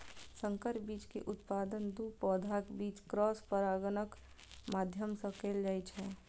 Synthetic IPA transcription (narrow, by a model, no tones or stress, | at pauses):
sə̃ŋkəɾbiːt͡ʃkḛʔʊt̪paːd̪ənd̪uːpɔːd̪ʱakbiːt͡ʃkɾɔːspəɾaːɡənək | maːd̪ʱjəmsə̃keːld͡ʒaːjt͡ʃɦɛː